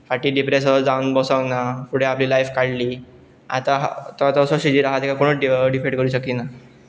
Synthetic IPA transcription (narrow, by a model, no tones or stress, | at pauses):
faʈiːɖipɾes̬əɾd͡zaunbɔsəŋnapuɽ̤eapliːlajfkaɽliː | a̰t̪aɦt̪ɔt̪ɔsɔɕid͡ʑiɾaɦat̪ikakoɽ̃uɖifeʈkəɾuːɕəkina